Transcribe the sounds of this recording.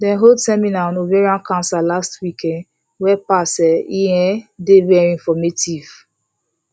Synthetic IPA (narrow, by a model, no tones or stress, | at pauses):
dɛ̃nɦodsɛminaɔ̃novɛɹiãnkãnsalastwikʰɛ̃nd | wɛpasɛiɛ̃devɛɹiĩnfɔmetiv̥